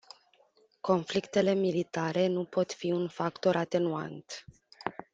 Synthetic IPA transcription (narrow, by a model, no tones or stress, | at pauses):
ko̞nflikt̪e̞le̞milit̪aɾe̞nupo̞t̪fiunfakt̪o̞ɾʔat̪e̞nua̰nt̪